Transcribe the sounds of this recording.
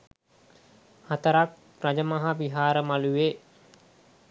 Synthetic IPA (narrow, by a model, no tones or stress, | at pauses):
hat̪əɾak̚ | rad͡ʒəmaɦaʋiɦaːɾəmaluʋeː